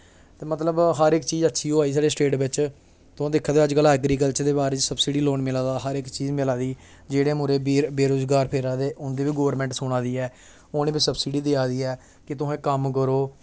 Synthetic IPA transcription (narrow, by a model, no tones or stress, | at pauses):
t̪eːmət̪ləbɦəɾɪkt͡ʃiːzətːʃʰiːoːaːiːs̬aːɖeːsʈeːʈbɪt͡ʃ | t̪ʊãːd̪ɪkʰːaːd̪ːəd͡ʒkələːɡɾiːk̬əlt͡ʃəd̪eːbaːɾeːt͡ʃsəbsiːɖiːloːɳmɪlãːd̪aːɦəɾɪkːt͡ʃiːzmɪlãːd̪iː | d͡ʒeːɽeːmʊɾeːbeːɾoːzɡaːɾpʰeːɾãːd̪eːʔʊnd̪eːʋiːɡoːɾmɛ̃ːɳʈsʊɽãːd̪iːɛː | oːneːbisəbsiːɖiːd̪eaːd̪iːɛː | kɪt̪ʊɦẽːkəmk̬əɾoː